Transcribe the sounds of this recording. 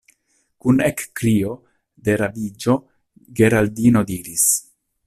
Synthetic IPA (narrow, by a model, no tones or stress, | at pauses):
kunekːɾio̞ | d̪e̞ɾavid͡ʒo̞ | ɡe̞ɾaldino̞diɾis